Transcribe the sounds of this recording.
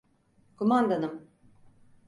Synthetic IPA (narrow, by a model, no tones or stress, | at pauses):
kʰumand̪anɯm